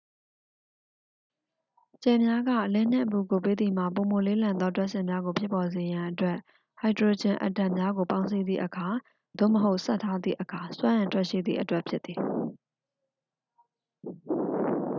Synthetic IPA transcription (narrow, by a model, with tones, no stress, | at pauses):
t͡ɕɛ˨mja˦ɡä̰˦˨ʔəlɛ̃˦˨n̥ɛ̰̃˦˨ʔəpu˨ɡo˨pe˦d̪i˨m̥a̰˦˨p̬o˨mo˨le˦lã˨nɔ˦twɛ˦ʔsɪ̃˨mja˦ɡo˨pʰjɪ˦pːɔ˨ze˨jã˨ʔətwɛ˦ʔ | ha˨ɪdɹo˨d͡ʑɪ̃˨ʔə̰˨tã˨mja˦ɡo˨pã˦ʊ̃ns̬i˦d̪ðḭ˦˨ʔəkʰa˨ | d̪̥o̰˦˨məɦo˦ʊʔsa˦ʔtʰːa˦d̪ðḭ˦˨ʔəkʰa˨swã˦ʔɪ̃˨ntʰwɛ˦ʔʃḭ˦˨d̪ðḭ˦˨ʔə˨twɛ˦ʔpʰjɪ˦t̪ːi˨